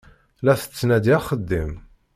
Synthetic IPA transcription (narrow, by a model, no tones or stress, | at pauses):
læθə̥t͡sːnæd̪jχəd̪ːim